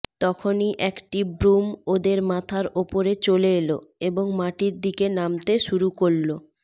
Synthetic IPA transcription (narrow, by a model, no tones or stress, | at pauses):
t̪ɔkʰoniʔɛkʈibɾumod̪eɾmat̪ʰaɾopoɾet͡ɕoleeloeboŋmaʈiɾd̪ikenamt̪eʃuɾukoɭlo